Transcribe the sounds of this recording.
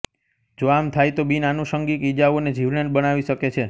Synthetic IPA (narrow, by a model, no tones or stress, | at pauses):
d͡ʒoamt̪ʰajt̪obinanuʃəŋɡikid͡ʒaʋoned͡ʒʱiʋɳenbənaʋiʃəket͡ʃʰe